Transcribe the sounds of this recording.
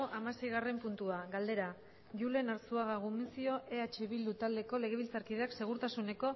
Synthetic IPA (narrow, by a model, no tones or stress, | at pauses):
ʔamase̞jɣare̞mpunt̪uaɣald̪e̞ɾa | ɣule̞naɾsuaɣaɣumisio̞ʔe̞at͡ʃe̞βild̪ut̪ald̪e̞ko̞le̞ɣ̞e̞β̞ilt͡saɾkið̞e̞akse̞ɣ̞uɾt̪asune̞ko̞